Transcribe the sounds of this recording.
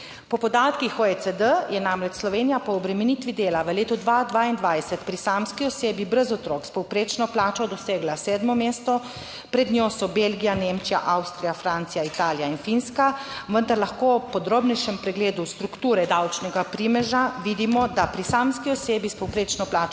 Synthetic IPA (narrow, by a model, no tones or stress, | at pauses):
pɔpɔd̪aːt̪kixoesəd̪əjɛnamɾɛt͡ʃslɔʋeːnijapɔːbɾɛmɛniːt̪ʋid̪eːlaʋəleːt̪ɔd̪ʋad̪ʋaːind̪ʋajsɛt̪pɾisamskiɔseːbibɾəzɔt̪ɾoːkspɔwpɾeːt͡ʃnɔplaːt͡ʃɔd̪ɔseːɡlasɛːd̪mɔmeːst̪ɔ | pɾɛd̪nʲosɔbelɡijaneːmt͡ʃijaʔawst̪ɾijafɾant̪sijait̪aːlijainfinskaʋənd̪aɾlaxkoːpɔd̪ɾoːbnɛjʃɛmpɾɛɡleːd̪ust̪ɾukt̪uːɾɛd̪awt͡ʃnɛɡapɾimɛʒaʋid̪imɔd̪apɾisamskiɔseːbispɔwpɾeːt͡ʃnɔplaːt͡ʃ